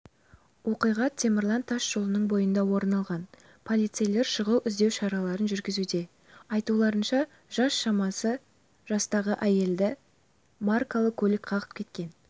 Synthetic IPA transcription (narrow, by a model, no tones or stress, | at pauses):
wo̞qijʁɑt̪ʰːe̞meɾlˠɑnt̪ʰːɑʃʒ̥o̞lˠənəɴbo̞jənd̪ɑwo̞ɾnɑlˠʁɑn | pʰolˠijt̪sejle̞ɾʃəʁəlʔʏzd̪e̞wʃɑɾɑlˠɑɾənʒʏɾɡʲɪzud̪e̞ | ɑjt̪ulˠɑɾənʃɑ | ʒ̥ɑsʃɑmɑsə | ʒ̥ɑst̪ɑʁəʔæje̞ld̪ɪ | markalˠəkʲʰɵlɪkqʰɑʁəp̚kʲʰe̞t̪kʲe̞n